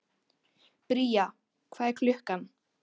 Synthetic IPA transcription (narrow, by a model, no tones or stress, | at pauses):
pɾiːa | kʰvaːðɛɾkʰlʏhkan